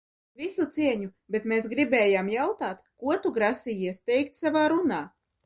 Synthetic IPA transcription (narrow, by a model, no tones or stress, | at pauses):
vʲisut̪siɛɲu | bʲet̪meːsɡɾibɛːjaːmjawt̪aːt̪kuɔt̪uɡɾasʲijiɛst̪ɛjkt̪savaːɾunaː